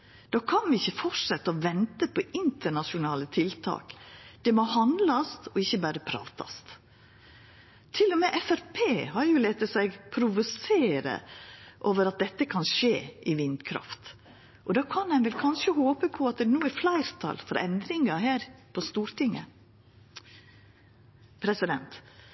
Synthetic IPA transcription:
d̪̥ɑːkʰɑnʋɪɪçːəfɔʂɛt̪ːəɔʋɛnt̪əpʰɔʔɪnt̪əɳɑʃʊnɑːlət̪ʰɪlt̪ʰɑ̰ːkd̪̥ɛmɔhɑnd̪lɑst̪ɔɪçːəbæːɾəpʰɾɑ̰ːt̪ʰɑ̰st̪ | t̪ʰːɪlːɔmɛʔɛfæɾpʰeːhɑɾjʊleːt̪əsæɪɡpʰɾʊʋʊseːɾə̰ʔoːʋəɾɑt̪̚d̪ɛt̪ːəkʰɑnʂeːʔɪʋɪnd̪kʰɾɑ̰ft̪ | ʔɔd̪ɑːkʰɑnɛɪnʋɛlkʰɑnʂəhoːpəpʰɔɑt̪̚d̪ɛnuːæɾflæɪɾt̪ʰɑ̰lfɔɾʔɛ̰nd̪ɾɪŋəɦæːɾpʰɔst̪uːɾt̪ɪŋːə̰ | pʰɾɛsɪd̪ɛ̰nt̪

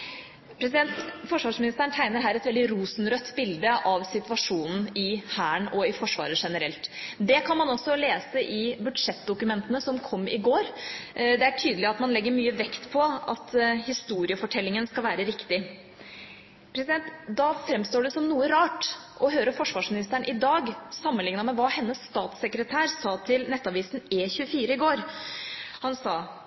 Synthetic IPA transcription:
pʰɾɛsɪd̪ɛnt̪fɔʂʋɑːʂmɪnɪst̪əɳt̪ʰæɪnəɾɦæːɾɛt̪ʋɛld̪ɪɾuːsnɾœt̪ːbɪld̪əʔɑʋsɪt̪ʋɑʂuːnn̩ɪhæːɳɔɪfɔʂʋɑ̰ːɾəʂɛnəɾɛlt̪d̪ɛkʰɑnmɑnɔsːɔleːsəʔɪbʉd̪ʂɛt̪ːd̪ʊkʉmɛnt̪ənəsɔmkʰɔmːɪ̰ɡoːɾd̪ɛæʈʰyːd̪əlɪɑt̪mɑnlɛɡːəɾmyːəʋɛkt̪pʰɔɑ̰t̪hɪst̪uːɾɪəfɔʈʰɛlːɪŋənskɑlʋæːɾəɾɪkt̪ɪ | pʰɾɛsɪd̪ɛnt̪d̪ɑfɾɛmːst̪oːɖʉɛsɔmnuːəɾɑːʈ | ʔɔɦøːɾəfɔʂʋɑːʂmɪnɪst̪æɳʔɪd̪ɑːɡsɑmːənlɪŋnɑmɛʋɑːhɛnːəsːt̪ɑːt̪sɛkɾət̪ʰæːɾsɑːt̪ʰɪlnɛt̪ːɑʋiːsn̩ɛçʉəfiːɾəɪɡoːɾ | hɑnsɑː

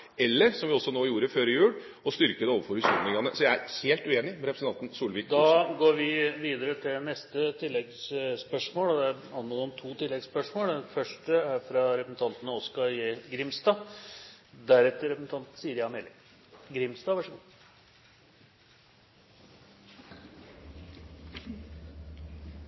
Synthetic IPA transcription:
ɛlːəɾsɔmʋɪɔsːɔnoːjuːɾəføːɾɪjʉːɽ | ɔst̪ʏɾkəd̪əoːʋəɾfɔɾhʉsuːmlɪŋɑnə̰sɔjæɪæɾheːlt̪ʉeːnɪmɛɾɛpɾəsn̩t̪ɑnt̪n̩suːlʋiːkd̪ɑɡoːɾʋɪʋiːd̪əɾət̪ʰɪlnɛst̪ət̪ʰɪlːɛɡsspœʂmoːlɔd̪ɛæɾ | ɑnːɔnɔmt̪ʰuːt̪ɪlːɛɡspœʂmoːlɛfœʂʈəæɾfɾɑɾɛpəsn̩t̪ʰɑnt̪ənəɔskɑɾjɡɾɪmst̪ɑː | d̪æɾɛt̪ːəɾɛpəsn̩t̪ʰɑnt̪n̩siːəɾjɑmelɪ | ɡɾɪmst̪ɑːʋæʂəɡu

